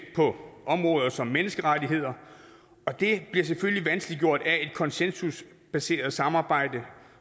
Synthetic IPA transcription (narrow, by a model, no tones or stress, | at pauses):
pʰɒ̽ɒ̽mʁɔ̽ːð̞ˠɐsɒ̽mːenəsɡ̥əʁadiɦe̝ð̞̰ˠɐ | ɒ̽d̥e̝b̥liɐs̬efølliʋænsɡ̥liɡ̥jo̝ɐ̰d̥æe̝d̥kʰɒ̽nsensus | b̥æse̝̰ːɐð̩ˠsɑ̈mɑ̈ːb̥ɑ̈ɪ̰d̥ə